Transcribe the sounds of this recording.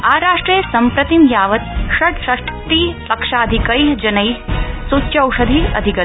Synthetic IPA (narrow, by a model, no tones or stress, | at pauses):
aːɾaːʂʈɾeːsɐmpɾɐt̪imjaːʋɐt̪̚ʃɐʈʃɐʂʈt̪iːpɐkʂaːɐd̪ʱikɐiɦd͡ʒɐnɐiɦsutːjɐwʂɐd̪ʱiɐ̰d̪ʱikɐ